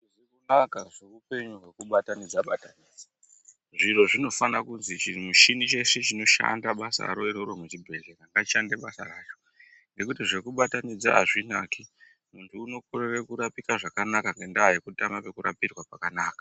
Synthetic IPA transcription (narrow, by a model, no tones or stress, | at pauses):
ʐikunakaʐeupe̞ɲuɦwe̞kuɓatanid͡zaɓataniːd͡za | ʐiro̞ʐino̞fanakunzit͡ʃimuʃinit͡ʃe̞set͡ʃino̞ʃa̰ndaɓasa̰ɾo̞iɾoɾomut͡ʃibʱe̞ɮeɾaŋɡaʃandeɓasa̰raːt͡ʃo̥ | ŋɡe̞kutiʐe̞kuɓatanid͡za̰ːʐinaki | muntʰuːno̞korerekuɾapikaʐakanakaŋɡendaːjikutamape̞kuɾa̰pirwapakanaːkḁ